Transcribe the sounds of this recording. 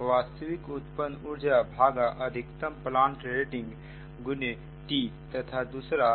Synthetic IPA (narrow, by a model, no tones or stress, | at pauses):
ʋaːst̪əʋikut̪pənuɾd͡ʒabʱaːɡaʔəd̪ʱɪkt̪əmplãːɳʈɾeʈɪ̃ŋɡ | ɡʊne | ʈit̪ɐt̪ʰad̪usɾa